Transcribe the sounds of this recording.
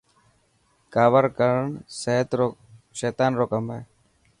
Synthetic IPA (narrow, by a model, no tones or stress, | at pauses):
kaːʋəɾkəɾəɳseɦt̪oʃeːt̪aːnɾoːkəmeː